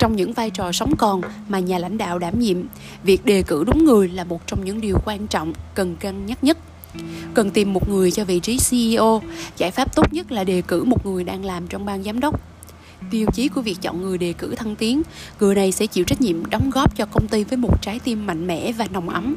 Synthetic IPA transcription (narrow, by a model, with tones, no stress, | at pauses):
t͡ɕɔ˧wŋ͡mɲɨ̰˧˥ŋvaː˧jt͡ɕɔ˨˩sə˨˦wŋ͡mkɔ˨˩n | maː˨˩ɲaː˨˩la̰˧˥jŋ̟ɗa̰ː˧˨wɗaː˧˩mɲḭ˧˨əm | vi˨˩ək̚ɗe˨˩kɨ̰˧˩ɗʊ˨˦ŋ͡mŋɨ˨˩əjlaː˨˩mo˨˩t̚t͡ɕɔ˧wŋ͡mɲɨ̰˧˥ŋɗi˨˩əwkwaː˧nt͡ɕɔ̰˧˨wŋ͡mkə˨˩nkaː˧ŋɲə˦˥t̚ɲə˦˥t̚ | kə˨˩nt̪i˨˩mːo˨˩t̚ŋɨ˨˩əjt͡ɕɔ˧vḭ˧˨t͡ɕi˨˦si˧ʔi˧ʔo˧zaː˧˩jfaː˦˥p̚t̪o˦˥t̚ɲə˦˥t̚laː˨˩ɗe˨˩kɨ˧˩mo˨˩t̚ŋɨ˨˩əjɗaː˧ŋlaː˨˩mt͡ɕɔ˧wŋ͡mɓaː˧nzaː˨˦mɗə˦˥wk͡p̚ | ti˧əwt͡ɕi˨˦ku˧˩vi˨˩ək̚t͡ɕɔ̰˧˨nŋɨ˨˩əjɗe˨˩kɨ˧˩t̪ʰə˧ŋt̪i˨˦əŋŋɨ˨˩əjna˨˩jsɛ̰˧˥t͡ɕḭ˧˨wt͡ɕa˦˥k̟̚ɲḭ˧˨əmɗɔ˨˦ŋ͡mɣɔ˦˥p̚t͡ɕɔ˧kə˧wŋ͡mt̪i˧vəː˨˦jmo˨˩t̚t͡ɕaː˨˦jt̪i˧mːa̰˧˨ŋ̟mɛ̰˧˥vaː˨˩nɔ˨˩wŋ͡mʔə˨˦ŋ͡m